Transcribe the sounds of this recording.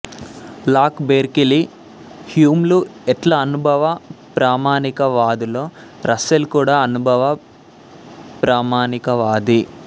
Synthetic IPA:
laːkbeːɾkili | hjuːmluɛʈlɐːnubʱɐʋɐpɾaːmaːnikɐʋaːd̪ulo̞ːɾʔɐsɐlkuːɽaːɐnubʱɐʋɐ | pɾaːmaːnikɐʋaːd̪i

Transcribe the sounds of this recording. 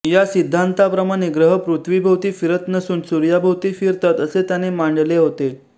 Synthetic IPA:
jasid̪ʱːant̪apɾəmaɽ̃eɡɾəɦəpɾut̪ʰʋibʱəwt̪iːfiɾət̪nəsuːnsuɾjabʱəwt̪iːfiɾt̪at̪əset̪janemaɳɖleɦot̪e

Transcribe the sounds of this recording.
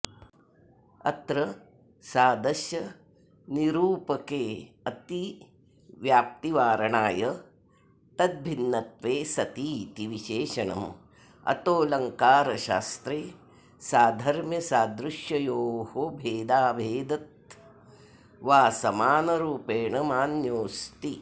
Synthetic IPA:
ɐ̰t̪ɾɐ | saːd̪ɐʃjɐ | niɾuːpɐkeː | ɐt̪i | ʋjaːp̚t̪iʋaːɾɐɳaːjɐ | t̪ɐt̪̚bʱinːɐt̪ʋeːsɐt̪iːt̪iʋiʃeːʃɐɳɐ̰m | ɐ̰t̪oːlɐŋkaːɾɐʃa̰ːst̪ɾeː | saːd̪ʱɐɾmjɐsaːd̪ɾuʃjɐjoːɦobʱeːd̪aːbʱeːd̪ɐt̪̚ | ʋaːsɐmaːnɐɾuːpeːɳɐmaːnjoːst̪i

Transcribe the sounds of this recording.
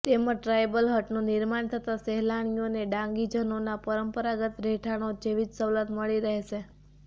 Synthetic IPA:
t̪emə̃ʈɾajbəlɦəʈnũnɪɾmaɳt̪ʰət̪asɛɦlaɳ̃ijoneɖãŋɡid͡ʒənonapəɾəmpəɾaɡət̪ɾeʈʰaɽ̃od͡ʒeʋid͡ʒsələt̪məɭiɾəɦɛʃe

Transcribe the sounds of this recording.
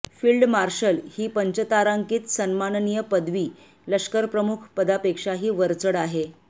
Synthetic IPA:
fiːlɖmaɾɕəlhiːpəɲt͡ɕət̪aɾaŋkiːt̪sənmannijəpəd̪ʋiː | ləʂkəɾpɾəmukʰpəd̪apekʂaɦiːʋəɾt͡səɽaɦe

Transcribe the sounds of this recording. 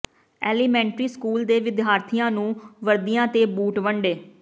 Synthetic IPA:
ɛːliːmɛ̃ːɳʈɾiːskuːld̪eːʋɪd̪ɦaːɾt̪ʰijãːnũːʋəɾd̪ijãːt̪eːbuːʈʋəɳɖeː

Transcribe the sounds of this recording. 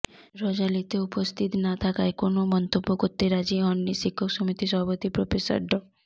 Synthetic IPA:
ɾɔd͡ʒalit̪eupɔst̪ʰit̪nat̪ʰakajkonomɔnt̪obːɔkɔt̪eɾad͡ʒiɦɔnːisikʰːɔksɔmit̪isɔɦbɔt̪ipɾopʰesə̰ɾɖɔ

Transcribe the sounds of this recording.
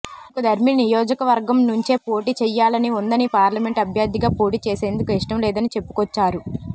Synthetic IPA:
kud̪ʱɐɾminijɔːd͡ʒɐkɐʋɐɾɡɐmnuɲt͡ʃe̞ːpo̞ːʈiːt͡ʃɛjːaːlɐniund̪ɐnipaːɾlɐme̞ɳʈɐbʱjaːd̪iɡaːpo̞ːʈiːt͡ʃɛːse̞ːnd̪ukuiʂʈɐmlɛːd̪ɐnit͡ʃe̞pːu̥kɔt͡ʃːaːɾu

